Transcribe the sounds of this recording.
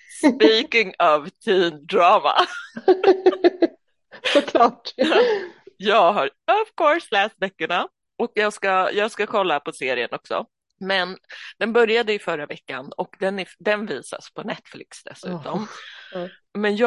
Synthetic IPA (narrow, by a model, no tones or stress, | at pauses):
spiːkɪŋɑvt̪ʰiːnd̪ɾɑːma̰ | sɔkʰlɑːʈ | jɑːɡɦaɾɔv̥kʰɔɾslɛːst̪vɛkːʊɳa | ɔkjɑːɡskajɑːɡskakʰɔlːapɔseːɾɪənɔksɔ̰ | mɛnd̪̥ɛnbœɾjad̪əɪfœɾavɛkːanɔkd̪ɛnæd̪ɛnviːsa̰spʰɔnɛt̪flɪ̰ksd̪ɛ̰sʉ̟ːt̪ɔm | mɛnjɑ